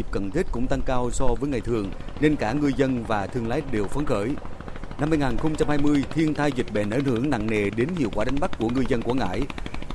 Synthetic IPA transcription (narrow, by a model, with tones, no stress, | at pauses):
i˨˩p̚kə˨˩nt̪ʰi˦˥t̚kʊ̰˧˥ŋ͡mt̪a˧ŋkaː˧wsɔ˧vəː˨˦jŋa˨˩jt̪ʰɨ˨˩əŋne˧nkaː˧˩ŋɨ˧əjzə˧nvaː˨˩t̪ʰɨ˧əŋla̰ː˨˦jɗe˨˩wfə˨˦nxəː˧˩j | na˧mːa˧jŋaː˨˩nxə˧wŋ͡mt͡ɕa˧mhaː˧jmɨ˧əjt̪ʰi˧ənt̪ʰaː˧jzï˨˩k̟̚ɓe˨˩nʔə˧˩nhɨ̰˧˩əŋna̰˧˨ŋne˨˩ɗe˨˦nhḭ˧˨əwkwaː˧˩ɗa˨˦ŋ̟ɓa˦˥k̚kːu˧˩əŋɨ˧jzə˧nku˧˩əŋa̰ː˧˥j